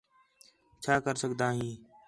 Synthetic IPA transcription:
t͡ʃʰaːkəɾsəɡd̪aːɦĩː

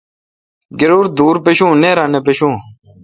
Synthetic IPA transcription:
ɡeɾuːɾd̪uːɾpeɕũːneːɾãːnepeɕũː

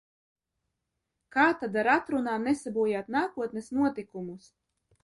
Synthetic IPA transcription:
kaːt̪ad̪aɾat̪ɾunaːmnesabuɔjaːt̪naːkuɔt̪nɛsnuɔt̪ikumus

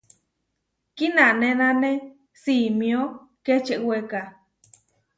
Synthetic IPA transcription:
kinãnẽnãnẽ | simio | ket͡ʃeʔweka

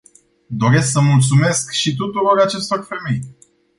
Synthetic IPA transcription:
d̪o̞ɾe̞sksəmult̪sume̞skʃit̪̬ut̪uɾo̞rat͡ʃe̞st̪o̞rfe̞me̞j

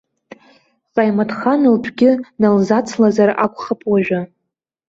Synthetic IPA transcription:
qʼajmatʰχanɨlpʷʰɡʲɪnalzat͡sʰlazara̰kʷʼχapʼwaʒᶣa

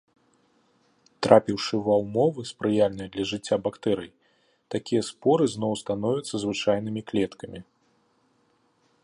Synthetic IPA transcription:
t̪ɾʔapʲiwʂɨvɐwmɔvɨspɾɨjalʲnɐjɐd̪lʲɐʐɨt͡sʲːabakt̪ɛɾɨj | t̪akʲijɐspɔɾɨznɔwst̪anɔvʲɐt̪sːɐzvɨt͡ʂajnɨmʲiklʲɛt̪kɐmʲi

